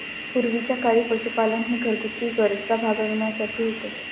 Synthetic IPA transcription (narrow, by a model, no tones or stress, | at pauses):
puɾʋit͡ɕjakaɭipəsupalənɦeɡʱəɾkut̪ːiːʋəɾsabʱaɡəʋɳjasaʈʰiːɦot̪e